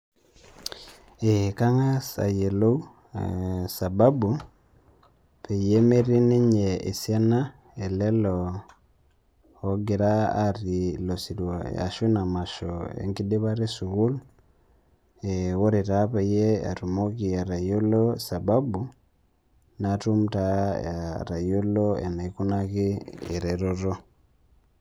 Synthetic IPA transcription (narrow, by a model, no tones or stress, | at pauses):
ekaŋasa̰jelo | sababu | pejemeɾiniɲeesjana | elɛlɔ | oɡeɾa̰ːɾilosiɾwaa̰ʃunamaʃoḛŋkidiβaɾesuɣulu | eɣoɾitapeijea̰tumokiaɾajolosababu | natumutajaɾajoloḛnaikunakiḛɾeɾoɾo